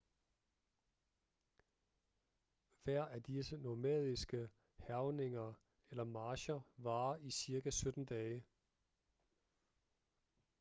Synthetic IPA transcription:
ʋæɐ̰æd̥isənomɛ̰ð̞ˠisɡ̥ə | hæʊne̝ŋɐ | elɐmɑ̈ːɕɐʋɑ̈ːisiɐkæsød̥n̩d̥ɛːə

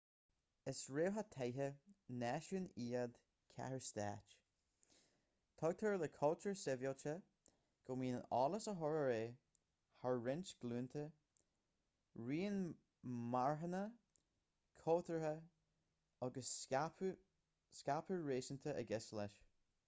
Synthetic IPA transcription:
ɪsɹeːɦat̪ʰejɦənɛːʃəniːəd̪ | kʰa̰ɹəst̪ɛ̰ːt͡ʃ | t̪ʰɔɡ̚t̪ʰəɹləkʰɔltʰəɹsɪvjolt͡ʃə | ɡ̥ɔmiːnənɑːləsəɦɔɹəɹeː | haɹːɪnt͡ʃɡ̥luːnt̪ʰə | ɹiːn | maɹɦənə | kʰɔːt̪əɹə | ɑɡəs | skapʰəɹɹeːsənt̪ʰəʔə̰ɡɛslɛʃ

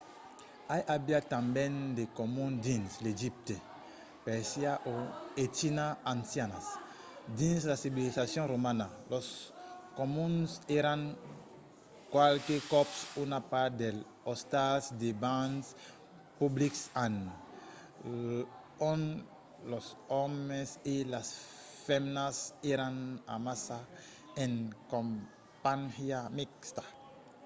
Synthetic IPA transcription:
ajʔabjat̪ãmbɛ̃nd̪ekomũnd̪ĩnsleʒip̚t̪e | pɛɾsiaʔoet͡ʃinãːnsjanas | d̪ĩnslasibilisasjɔ̃ɾomãnalɔskomũnseɾãŋ | kwalkekɔpsunapaɾd̪el | ost̪asd̪ebãns | publiksan | õn | losomeselas | femnaseɾãna̰masa | ẽŋkõm | panhjamikst̪ḁ

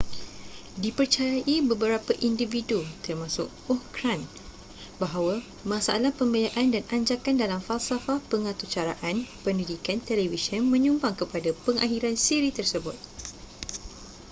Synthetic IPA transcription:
dipərt͡ʃajaʔibəbəɾapaʔindividut̪ərmãsʊ̰k | ɔhkɾan | baɦawa | mãsaʔalahpəmbəljaʔandanaɲd͡ʒakandalamfalsafapəŋãt̪ut͡ʃaɾaʔanpəndidikant̪elevisənmə̃ɲumbaŋkəpadapəŋʔa̰ɦiɾansiɾit̪ərsəbʊt̪̚

